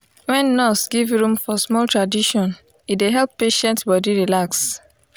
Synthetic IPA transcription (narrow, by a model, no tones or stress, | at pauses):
wɛ̃nːɔsɡivɹũmfɔsmɔltɹadiʃɔ̃n | ideɦɛlpːeʃɛ̃ntbɔdiɹilaks